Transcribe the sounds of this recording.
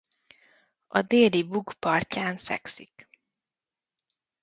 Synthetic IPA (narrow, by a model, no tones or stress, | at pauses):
ɒ̰d̪eːlibukpɒrcaːnfɛ̰ksḭk